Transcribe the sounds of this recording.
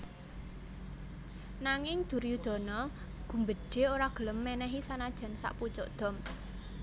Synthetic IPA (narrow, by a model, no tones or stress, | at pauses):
naŋɪŋd̪̥ṳɾjud̪̥ɔ̤nɔ | ɡ̥ṳmbəɖ̥e̤oɾaɡ̥ə̤ləmːɛnɛɦisanad̥ʒ̥a̤nsa̰ʔput͡ʃɔʔd̪̥ɔ̤m